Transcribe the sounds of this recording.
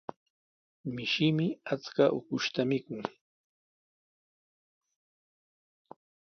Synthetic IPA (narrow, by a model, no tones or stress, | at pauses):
mɪʃɪmɪat͡skaʔʊ̰kʊʃt̪amɪkʊŋ